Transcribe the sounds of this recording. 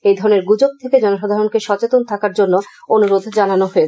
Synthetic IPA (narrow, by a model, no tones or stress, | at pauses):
ejd̪ʱɔɾoneɾɡud͡ʑoɡ̚t̪ʰeked͡ʑɔnoʃɔd̪ʱaɾonkeʃɔt͡ɕet̪ont̪ʰakaɾd͡ʑonːo | onuɾod̪ʱd͡ʑananoɦoet͡ɕʰ